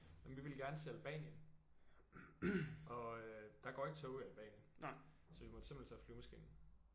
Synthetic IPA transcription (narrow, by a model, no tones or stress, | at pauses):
jemʋiʋe̝lɡ̥æɐnəsʰe̝ːælb̥ɛ̰ːnjən | ʔɒ̽ød̥ɑ̈ɡ̥ɒ̰ːe̝ɡ̥ət͡sʰɔʊiælb̥ɛ̰ːnjən | sɒ̽ʋimɒd̥sem̥len̩t͡sʰɛ̰flyːmæsɡ̥ḭːnn̩